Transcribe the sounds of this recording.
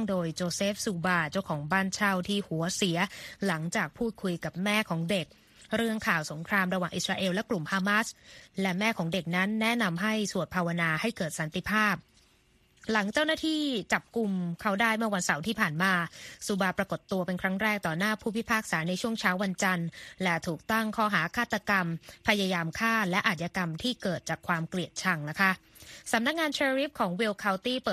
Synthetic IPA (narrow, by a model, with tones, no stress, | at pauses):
ŋdoː˧jt͡ɕoː˧seː˦˥f̚suː˧baː˧t͡ɕa˥˩wkʰɔː˩˦ŋbaː˥˩nt͡ɕʰa˥˩wt̪ʰiː˥˩hu˩˦ɐsi˩˦ɐla˩˦ŋt͡ɕaː˨˩k̚pʰuː˥˩t̪̚kʰu˧jka˨˩p̚mɛː˥˩kʰɔː˩˦ŋde˨˩k̚ | ɾɯ˥˩əŋkʰaː˨˩wso˩˦ŋkʰɾaː˧mɾa˧waː˨˩ŋʔi˨˩t̪̚ɾaː˧ʔeː˧wlɛ˦˥klu˨˩mhaː˧ma˦˥slɛ˦˥mɛː˥˩kʰɔː˩˦ŋde˨˩k̚na˦˥nːɛ˦˥na˧mɦa˥˩jsu˨˩ət̪̚pʰaː˧wa˧naː˧ha˥˩jkɤː˨˩t̪̚sa˨˩˦nt̪i˧˨pʰaː˥˩p̚ | la˩˦ŋt͡ɕa˥˩wnaː˥˩t̪ʰiː˥˩t͡ɕa˨˩p̚ku˧mkʰa˦˥˩wdaː˥˩jmɯ˥˩ɐwa˧nsa˩˦wt̪ʰiː˥˩pʰaː˨˩nmaː˧su˨˦baː˧pɾa˧ko˨˩t̪ːu˧ɐpe˧nkʰɾa˦˥ŋɾɛː˥˩k̚t̪ɔː˨˩naː˥˩pʰuː˥˩pʰi˦˥pʰaː˥˩k̚saː˩˦na˧jt͡ɕʰu˥˩əŋt͡ɕʰaː˦˥wa˧nt͡ɕa˧nlɛ˦˥t̪ʰuː˨˩k̚t̪a˥˩ŋkʰɔː˥˩ɦaː˩˦kʰaː˥˩t̪ːa˧ka˧mpʰa˧jaː˧jaː˧mkʰaː˥˩lɛ˦˥ʔaː˨t̪̚jaː˧ka˧mt̪ʰiː˥˩kɤː˨˩t̪̚t͡ɕaː˨˩kʰwaː˧mkli˨˩ət̪̚t͡ɕʰa˧ŋna˦˥kʰa˦˥ʔ | sa˨˦mna˦˥k̚ŋaː˧nt͡ɕʰeː˧ɾi˦˥p̚kʰɔː˩˦ŋwi˧wkʰa˧wt̪iː˥˩pː